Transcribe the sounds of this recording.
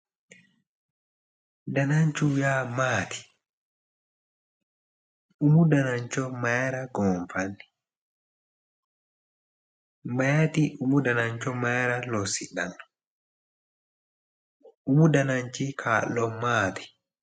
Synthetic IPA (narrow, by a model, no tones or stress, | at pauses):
danaɲt͡ʃujamaːtʰi̥ | umudanaɲt͡ʃɔmajɾaɡɔɱfanːi | majatiʔumudanaɲt͡ʃɔmajɾalɔsiɗa̰n | umudanaɲt͡ʃikʰaːlɔmaːti̥